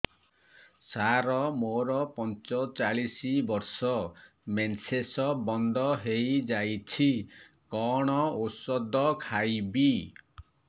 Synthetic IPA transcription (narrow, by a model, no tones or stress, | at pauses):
saɾɔmoɾɔpɔnt͡ʃɔt͡ʃaɭisibɔɾsɔ | mensesɔbɔnd̪ɔɦejd͡ʒajt͡ʃʰikɔɽ̃ɔosɔd̪ɔkʰajbi